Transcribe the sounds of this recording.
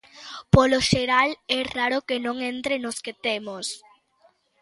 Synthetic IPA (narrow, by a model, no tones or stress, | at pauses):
poloʃeɾalɛraɾokenõŋẽnt̪ɾenosket̪emos